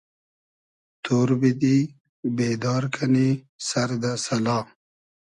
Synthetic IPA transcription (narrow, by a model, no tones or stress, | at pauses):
t̪ʰoːɾbid̪i | beːd̪ɑːɾkʰɐni | sɐɾd̪asɐlɑː